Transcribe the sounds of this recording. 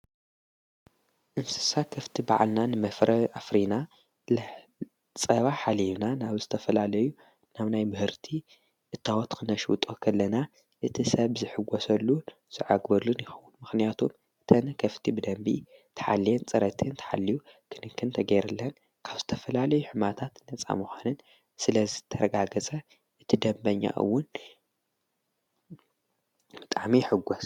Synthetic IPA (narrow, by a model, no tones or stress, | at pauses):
ʔɨnsɨ̥sakʰɐft̪ʰiba̰ʕa̰lnanɨmɐfɾɐʔafɾina | l | t͡sʼɐβaħaliβnanaβzɨt̪ʰɐfɐlalɐju | naβnajmɨhɨɾt̪ʰi | ʔɨt̪ʰːawot̪kʰɨnɐʃwṵt̪ʼokʰɐlːɐna | ʔɨt̪ʰisɐβzɨħɨɡʷɔsɐlːu | z̥ɨʕaɡbɐlːunjɪxɐwunmɨxnijat̪ʰum | ɨt̪ʰɐnkʰɐft̪ʰibɨd̪ɐmbḭt̪ʰɐ̥ħa̰lːijɛnt͡sʼɐɾɐt̪ʰint̪ʰɐ̥ħa̰lːijukʰɨnɨkʰːɨnt̪ʰɐɡɐjɾɐlːɐn | kʰaβzɨt̪ʰɐfɐlalɐjuħɨmat̪ʰat̪nɐt͡sʼa̰muxʷanɨn | sɨlɐzɨt̪ʰɐɾɐɡaɡɐt͡sʼɐ | ʔɨt̪ʰid̪ɐmbɐɲːa̰ʔɨ̰wːʊn | bɨt̪ʼaʕmiħɨɡʷːos